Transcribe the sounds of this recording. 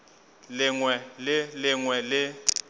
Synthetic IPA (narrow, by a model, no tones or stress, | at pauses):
lɪŋwɛlɪlɪŋwɛlɪ